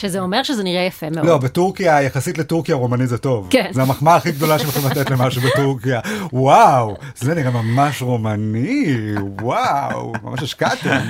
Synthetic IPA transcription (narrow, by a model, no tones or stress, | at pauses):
ʃezeomeʁʃezeniʁejafemelo̞betuʁkiajaχasitletuʁkijaʁomanizeto̞vknzeamaχmaaχiɡ̚d̪o̞laʃʃemaχumlat̪et̪le̞maʃubet̪uʁkijawaw | z̥leniʁemamaʃʁomani | wawma̰maʃeʃkat̪i